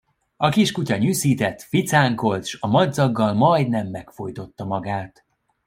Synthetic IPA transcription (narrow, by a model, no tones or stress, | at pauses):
ɒkiʃkucɒɲyːsiːt̪ɛt̪ːfit̪saːŋko̞lt̪ʃɒmɒd̪zɒɡːɒlmɒjd̪nɛmːɛkfo̞jt̪o̞t̪ːɒmɒɡaːt̪